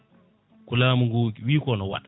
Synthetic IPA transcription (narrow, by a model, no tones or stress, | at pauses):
kulamuŋɡukwiːkɔnɔwa̰ɗ